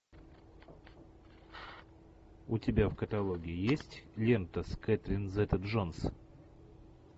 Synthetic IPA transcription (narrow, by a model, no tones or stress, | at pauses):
ʊtʲɪbʲafkət̪ɐlˠoɡʲɪɪjesʲtʲlʲent̪əskɛt̪ɾʲɪnzɛt̪ət̪ʐons